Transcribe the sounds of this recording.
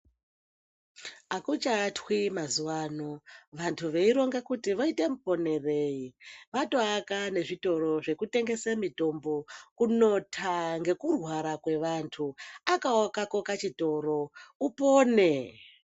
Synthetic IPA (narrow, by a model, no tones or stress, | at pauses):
akut͡ʃatwimazuwaːnoʋantʰuʋe̞iɾo̞ŋɡekutiʋoite̞mupo̞ne̞reiʋatoakane̞ʐito̞ɾo̞ʐe̞kute̞ŋɡe̞samito̞mbo̞kuno̞tʰaŋɡe̞kurwaɾakwe̞ʋantʰuakaokako̞kat͡ʃito̞ɾo̞upoːne̞